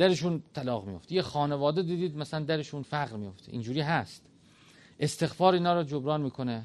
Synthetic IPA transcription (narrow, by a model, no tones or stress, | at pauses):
dæɾeʃuːnt̪ʰælɒːɣmijo̞̰ft̪jexɒːnevɒːd̪ed̪iːd̪iːd̪mæsælænd̪æɾeʃuːnfæɣɾmijo̞ft̪ʰḛʔḭnd͡ʒuːɾiːɦæst̪ | ʔest̪e̞ɣfɒːɾiːnɒːɾɒːd͡ʒobɾɒːnmiːkʰo̞ne